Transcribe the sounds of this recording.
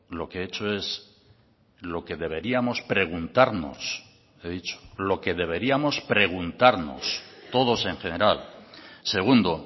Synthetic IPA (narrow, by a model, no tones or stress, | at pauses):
lo̞keet͡ʃo̞e̞s | lo̞ke̞ðe̞βe̞ɾiamo̞spɾe̞ɣ̞unt̪aɾno̞̰s | eðit͡ʃo̥lo̞ke̞ðe̞β̞e̞ɾiamo̞spɾe̞ɣ̞unt̪aɾno̞̰st̪o̞ð̞o̞se̞ŋxe̞ne̞ɾalse̞ɣ̞und̪o